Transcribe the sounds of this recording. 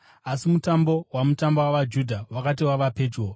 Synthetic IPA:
asimutambo̞wamutambowaʋad͡ʒudʱawakatiwaʋape̞ːd͡ʒwo

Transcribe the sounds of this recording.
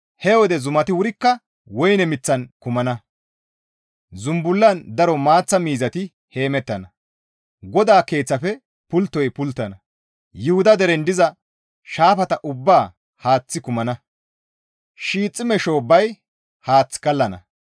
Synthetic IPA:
hɛwɔd̪ɛzʊmɐt̪ɪwʊɾɪkːɐ | wɔjnɛmɪt͡sːɐnkʊmɐnɐ | zʊmbʊlːɐnd̪ɐɾɔmaːt͡sːɐmiːzɐt̪ɪ | he̞ːmɛt̪ːɐnɐ | ɡɔd̪aːke̞ːt͡sːɐfɛ | pʊlt̪ːɔjpʊlt̪ːɐnɐ | jʊhʊd̪ɐd̪ɛɾɛnd̪ɪzɐ | ʃaːfɐt̪ɐʔʊbːaː | haːt͡sːɪkʊmɐnɐ | ʃiːt͡sʼːɪmɛʃoːbɐj | haːt͡sːkɐlːɐnɐ̰

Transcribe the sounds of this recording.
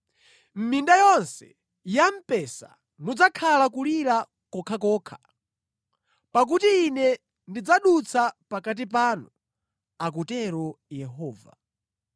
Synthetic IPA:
m̩mindajɔnsɛ | jam̩pɛsa̰ | nud͡zakʰalakuliɾa | kɔkʰakɔːkʰḁ | pak̬utiːnɛ | ndid͡zaɗut͡sʰapakat̬ip̬aːnu | ak̬utɛɾɔjɛɦɔːva̰

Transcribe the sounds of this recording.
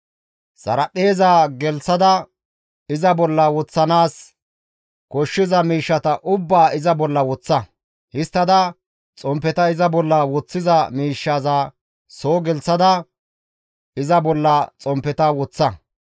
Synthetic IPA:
sɐ̰ɾɐpːe̞ːzaːɡɛlt͡sːɐd̪ɐ | ɪzɐbɔlːɐwɔt͡sːɐnaːs | kɔʃːɪzɐmiːʃːɐt̪ɐʔʊbːaːʔɪzɐbɔlːɐwɔt͡sːɐ | hɪst̪ːɐd̪ɐ | t͡sʼɔmpːɛt̪ɐɪzɐbɔlːɐwɔt͡sːɪzɐmiːʃːazaː | soːɡɛlsɐd̪ɐ | ɪzɐbɔlːɐt͡sʼɔmpːɛt̪ɐwɔt͡sːɐ

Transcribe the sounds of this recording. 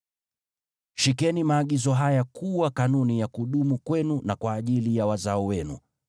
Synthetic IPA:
ʃikɛnimaːɠizɔɦajakuwakanunijakuɗumukwɛnunakwaːʄilijawazaɔwɛnṵ

